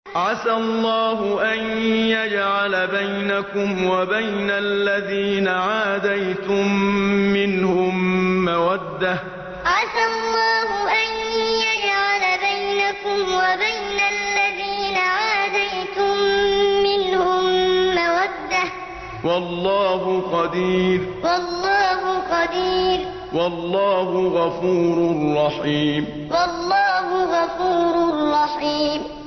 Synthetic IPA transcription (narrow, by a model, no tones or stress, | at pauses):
ʕasalˤːɑːɦʊʔanjad͡ʒʕalabajnakʊmwabajnalːaðiːnaʕaːd̪ajt̪ʊmːɪnhʊmːawad̪ːa | ʕasalˤːɑːɦʊʔanjad͡ʒʕalabajnakʊmwabajnalːaðiːnaʕaːd̪ajt̪ʊmːɪnhʊmːawad̪ːa | wɑlːɑːhʊqɑd̪iːɾwɑlˤːɑːhʊqɑd̪iːɾ | wɑlˤːɑːhʊɣɑfuːɾrˤːɑħiːm | wɑlːɑːhʊɣɑfuːɾrːɑħiːm